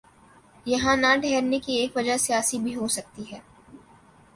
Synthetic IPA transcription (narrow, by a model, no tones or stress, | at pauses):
jɐɦãnaɖʱɛɦɾnekieːkʋɐd͡ʒasijaːsibʱiɦosɐk̚t̪iɦɛː